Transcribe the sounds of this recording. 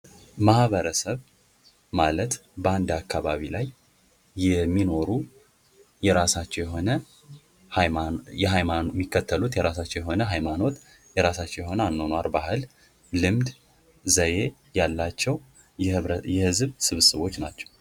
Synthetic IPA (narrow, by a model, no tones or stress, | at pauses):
mahβəɾəsəβ | malət̪bəand̪akːaβaβilajː | ɛmːino̞ɾu | jɛɾasat͡ʃːɛwjɛɦo̞nə | hjɛɦajamːikːət̪ʰːəlut̪jɛɾasat͡ʃːɛwjɛɦo̞nəɦajmano̞t̪ | jɛɾasat͡ʃːɛwjɛho̞nəanːonwaɾbahɨlː | ɨmd̪ | zəje̞ | jalːat͡ʃːɛw | jɛhɨzβsɨβsəβo̞t͡ʃːnat͡ʃːɛ̥w